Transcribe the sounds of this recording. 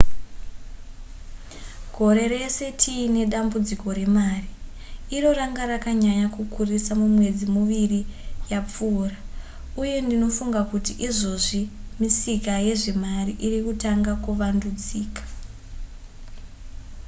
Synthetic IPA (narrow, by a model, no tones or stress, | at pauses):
ɡ̥ʱo̞ɾe̞re̞se̞tʰiːne̞ɗambud͡ziko̞ɾe̞maːriː | ro̞ɾaŋɡarakaɲaɲakukurisamumwe̞d͡zimuʋirijap͡fuːra | uje̞ndino̞fuŋɡakutiʔiʐo̞ʐimisikaje̞ʐe̞mariʔirikutaŋɡakuʋandud͡ziːkḁ